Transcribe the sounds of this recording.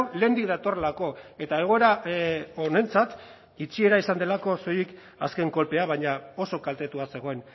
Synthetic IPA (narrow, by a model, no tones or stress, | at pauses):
nle̞ːnd̪ik̚ðat̪o̞relako̞e̞t̪ae̞ɣ̞o̞e̞ɾaone̞nt͡sat̪ | it͡sie̞ɾaisand̪e̞lako̞so̞jik | aske̞ŋko̞lpe̞aβaɲao̞so̞kalt̪e̞t̪uase̞ɣ̞o̞e̞n